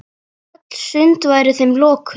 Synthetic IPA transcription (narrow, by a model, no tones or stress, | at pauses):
at̪l̥sʏnt̪vaːjɾɪθejmlɔːkʰ